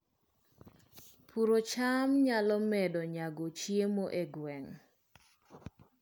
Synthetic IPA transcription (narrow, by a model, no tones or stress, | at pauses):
pʰuɾot͡ʃamɲalɔmɛdɔɲaɡot͡ʃjemoʔeɡwɛŋ